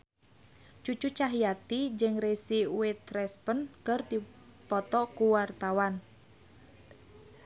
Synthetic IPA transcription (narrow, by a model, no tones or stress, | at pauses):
t͡ʃut͡ʃut͡ʃaɦijat̪id͡ʒɨŋresiuwɪt̪ɾɛspənkərdipɔt̪ɔkuwart̪awan